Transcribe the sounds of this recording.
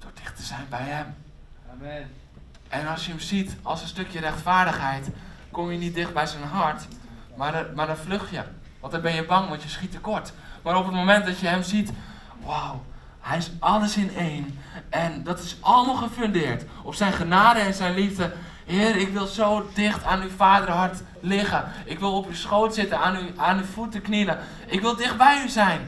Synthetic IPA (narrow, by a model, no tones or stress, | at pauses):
d̥ʊɹdɪxtə̥z̥ɛjnbɛjhɛm | ʔɛnɔlˠsjəəmsitɔlˠsənstøkjərɛxtfaːɹdəxhɛjt | komjənit̚dɪxt̚bɛjsənɦɔɹt | mamadɔnfløxjə | ʋɔ̃ntdɔnbɛnjəbɑŋʋɔntjəsχitəkoɹt | maːɾopət̚momɛnt̚dɔtjəhɛmsit | waw | hɛjɪsɔləsɪneːnɛndɔtɪsʔɑlˠəmɔlˠxəføndɪːɹtɔpsɛjnχənaːdəɛnsɛjnlifdə | hɪːrɪkʋɪlˠzoːdɪxtʰaːnyfaːdərɦɔɹt | lɪɣə | ɪkʋɪlˠopysχoːlˠtsɪtənaːnyaːnyfutəknilə | ʔɪkʋɪlˠdɪxt̚bɛjyzɛjn